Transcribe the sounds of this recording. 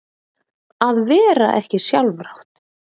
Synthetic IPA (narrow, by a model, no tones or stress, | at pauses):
aðvɛːɾa̰ʔɛhcɪsjawlvɾawt̪